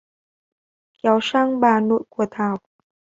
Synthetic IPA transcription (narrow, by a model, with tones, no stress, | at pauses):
kɛ˨˦wsaː˧˥˩ŋɓaː˨˧˩no̰˧˩˨jku˧˩ət̪ʰaː˨˩w̚